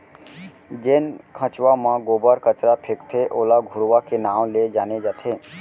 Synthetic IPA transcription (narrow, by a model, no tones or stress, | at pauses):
d͡ʒenkʰə̃t͡ʃʋãmãɡoːbəɾkət͡ʃɾapʰekt̪ʰeʔoːlaɡʱʊɾʋakenaːwled͡ʒaːned͡ʒaːt̪ʰeː